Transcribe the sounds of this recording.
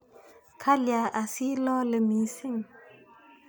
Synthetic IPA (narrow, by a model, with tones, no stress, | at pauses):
kʰa˦lja˨ʔa˨si˦lɔ̃ː˦lə˨mi˨˦si˦˨ŋ